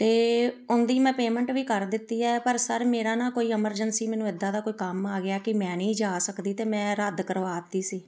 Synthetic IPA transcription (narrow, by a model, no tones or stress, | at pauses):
t̪eːʊnd̪iːmɛ̃ːpeːmɛ̃ɳʈʋiːkəɾd̪ɪt̪ːiːɛːpəɾsəɾmeːɾaːnãːkoːiːɪməɾd͡ʒənsiːmɛ̃ːnũːɪd̪ãːd̪aːkoːiːkəmaːɡɪaːkɪmɛ̃ːnĩːd͡ʒaːsəkd̪iːt̪eːmɛ̃ːɾəd̪kəɾʋaːt̪iːsiː